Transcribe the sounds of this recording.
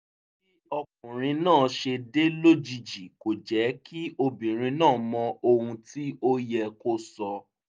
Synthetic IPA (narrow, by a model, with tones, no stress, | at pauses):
i˦ɔ˧k̚ũ˨ɾ̃ĩ˧nãː˦˨ʃe˧de˦lo˦d͡ʒi˧d͡ʒi˨ko˨d͡ʒɛ˨˦ki˦o˧bĩ˨ɾ̃ĩ˧nãː˦˨mɔ̃˧o˧hũ˧ti˦ʔo˦jɛ˧ko˦sɔ˧